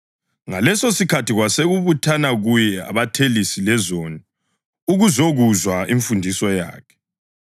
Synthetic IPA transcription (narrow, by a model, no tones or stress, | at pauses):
ŋalɛsosikʰatiɣwaseɣuβutʰanaɣujɛa̰βatʰelisilɛzoni | uɣuzoɣuzwaiɱfundʱisɔja̰ːkʰɛ̥